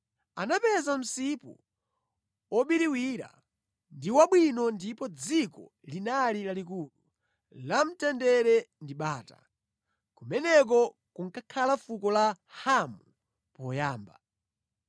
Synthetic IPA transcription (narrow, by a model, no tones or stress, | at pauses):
anapɛzam̩sipṵ | ɔɓiɾiwiɾa̰ | ndiwaɓwinɔndipɔd͡zikɔ̰ | linalilalikulu | lam̩tɛndɛɾɛndiɓaːta̰ | kumɛnɛk̬ɔ | kuŋkakʰalafukɔla | hamu | pɔjaːmba